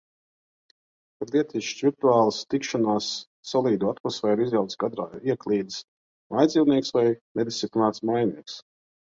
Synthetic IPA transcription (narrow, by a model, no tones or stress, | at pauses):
paɾlˠiɛt̪isʃviɾt̪uaːlˠast̪ikʃɔnaːsː | ɔlˠiːd̪uat̪mɔsfɛːɾizjawt̪sɡad̪ɾa̰ːiɛklˠiːd̪s | majd̪zʲiːwniɛksvajnɛd̪ʲist̪iplʲinaːt̪smajnḭɛks